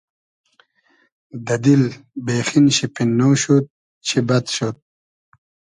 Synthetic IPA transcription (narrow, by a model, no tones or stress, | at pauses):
d̪ɐd̪ilbeːxinɕipinːowɕut̪̚ | t͡ɕʰibɐt̪ɕot̪̚